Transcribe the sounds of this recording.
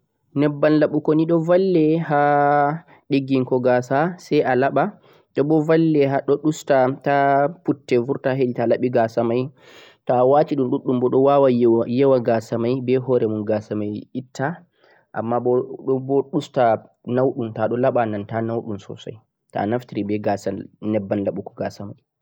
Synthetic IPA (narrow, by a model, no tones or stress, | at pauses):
nɛbːanlaɓukoniɗɔvalːɛɦa | ɗeɡiŋkɔɡasasɛjʔalaɓa | ɗɔɓɔvalːɛɦaɗɔɗustataputːɛvuɾtaɦeɗitalaɓiɡasamaj | tɔwaːtiɗumɗuɗːumbɔɗɔwawajɛwaɡasamajbɛhɔɾɛmunɡasamajitːa | ʔa̰mːabɔbɔɗusta | nawɗumtaɗɔlaɓanantanawɗumsɔ̰sa̰j | ta̰naftiɾibɛɡasanɛbːanlaɓukɔ̥ɡasamaj